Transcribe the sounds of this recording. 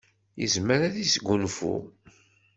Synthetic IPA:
jə̰zməɾæðisɡʷːunfṵ

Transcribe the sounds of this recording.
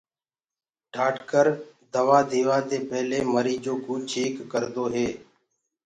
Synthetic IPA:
ɖʱaːʈkəɾd̪əʋaːd̪ʱeːʋaːd̪eːpəɦleːməɾiːd͡ʒoːkuːt͡ʃʰiːkːəɾd̪oːɦeː

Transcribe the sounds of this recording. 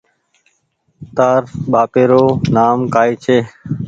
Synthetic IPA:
t̪aːɾɓaːpeːɾoːnaːmkaːiːt͡ʃʰeː

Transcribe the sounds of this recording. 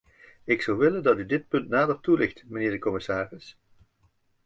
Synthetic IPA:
ɪksʌwʋɪləndɑtydɪt̚pɵntnaːdərtulɪχtməneːɹdəkɔmɪsaːrɪs

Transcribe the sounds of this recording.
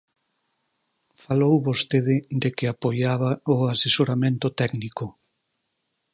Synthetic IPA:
falowβost̪eðɪd̪ekɪapojaβaʊasesoɾamẽnt̪ʊt̪ɛɡnikʊ

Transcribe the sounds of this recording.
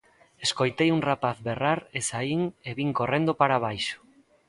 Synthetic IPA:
eskojt̪ejuŋrapaθβeraɾesaiŋeβiŋkorend̪opaɾaβ̞ajʃo̥

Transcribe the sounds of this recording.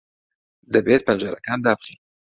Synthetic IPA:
d̪ɐbet̪̚pʰɐnd͡ʒaːɾɐ̰kaːnd̪aːbɨχin

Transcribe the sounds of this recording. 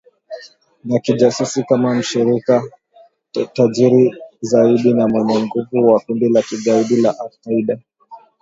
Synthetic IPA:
nakiʄasusikamam̩ʃiɾika | taʄiɾizaiɗinamwɛɲaŋ̩ɡuvuwakundilakiɠaiɗilaʔafkaiɗa

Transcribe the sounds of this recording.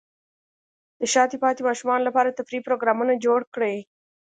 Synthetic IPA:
d̪əʃɑt̪epɑt̪emɑʃumɑnolapɑɾat̪afɾipɾoɡɾɑmunad͡ʒoɽkɽe

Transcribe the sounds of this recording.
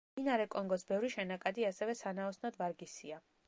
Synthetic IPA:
inaɾɛkʼɔŋɡɔsbɛvɾiʃɛnakʼad̪iasɛvɛsanaɔsnɔd̪vaɾɡisia

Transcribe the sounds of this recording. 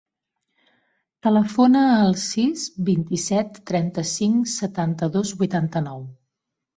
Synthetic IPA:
t̪ələfonəːlˠsizβint̪isɛt̪ːɾɛnt̪əsiŋsət̪ant̪əðozβuit̪ant̪ənɔw

